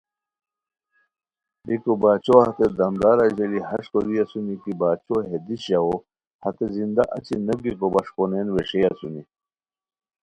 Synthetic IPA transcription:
bikobaːt͡ɕohɐt̪ed̪ɐmd̪aːɾɐʑelihɐʂkoliɐsunikibaːt͡ɕoɦed̪iɕao | hɐt̪ezind̪aʔɐt͡ɕinɐbikobɐʂkonenweʂeasuni

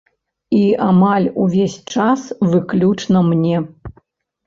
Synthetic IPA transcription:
iamalʲuvʲesʲt͡ʂasvɨklʲut͡ʂnɐmnʲɛ

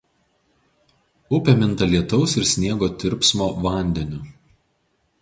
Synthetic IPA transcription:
ʊpʲɛmʲɪnˑt̪ɐlʲiɛt̪ɒʊsɪɾsʲnʲiɛɡoːt̪ʲɪɾʲpsmoːʋɐˑnʲd̪ʲɛnʲʊ

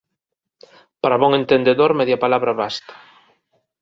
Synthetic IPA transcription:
paɾaβɔŋẽnt̪end̪eðoɾmɛðjapalaβɾaβast̪ḁ

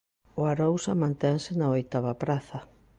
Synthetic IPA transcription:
ʊaɾowsamãnt̪ɛŋsɪnaojt̪aβɐpɾaθɐ

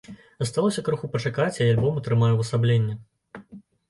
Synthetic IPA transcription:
zɐst̪alˠɔsʲɐkɾuxupɐt͡ʂakat͡sʲɐjalʲbɔmut̪ɾɨmajuwɐsablʲenʲːɛ

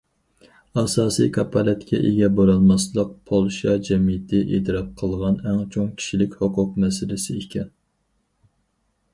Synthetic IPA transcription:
ɑsɑːsḭjkʰɑpʰɑlɛt̪kʲʰɛ̰ʔeɡʲɛboɾɑlˠmɑslˠəq̚pʰolˠʃɑd͡ʒɛmijɪt̪ʰɪʔet̪ɨɾɑp̚qʰəlˠʁɑnɛŋt͡ʃʰoŋkʲʰi̥ʃilɪkʲhoqʰʊq̚mɛsɪlɪsɪikʲʰɛn

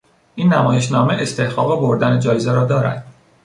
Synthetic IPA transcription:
ʔiːnːæmɒːje̞ʃ̬nɒːmeʔest̪e̞hɡɒːɣeboɾd̪æned͡ʒɒːjezeɾɒːd̪ɒːɾæ̰d̪̥

